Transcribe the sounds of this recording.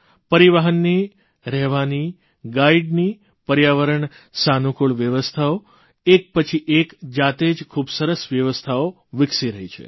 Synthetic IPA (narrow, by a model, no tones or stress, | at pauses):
pəɾiʋaɦənːi | ɾɛɦʋani | ɡaiɖni | pəɾjaʋəɾəɳ | sanukuɭʋjəʋəst̪ʰao | ek̚pət͡ʃʰiʔekd͡ʒat̪ed͡ʒkʰubsəɾəsʋjəʋəst̪ʰao | ʋɪksiɾəɦit͡ʃʰḛ